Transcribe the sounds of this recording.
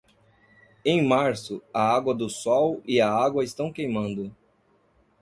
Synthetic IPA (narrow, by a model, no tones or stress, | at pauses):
ẽj̃maɾsʊɐaɡwɐd̪ʊsɔwiɐaɡwɐɪst̪ɐ̃w̃kejmɐ̃nd̪ʊ